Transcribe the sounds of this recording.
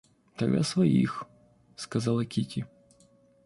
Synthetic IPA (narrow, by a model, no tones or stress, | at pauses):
t̪ɐɡ̚d̪asvɐjḭx | skɐzɑlˠɐkʲitʲɪ